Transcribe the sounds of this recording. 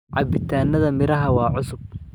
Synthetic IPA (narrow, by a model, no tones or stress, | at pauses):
ʕɑbɪt̪ʰaːnːɐðɐmɪɾɐɦɐwɑːʕʊsʊb̚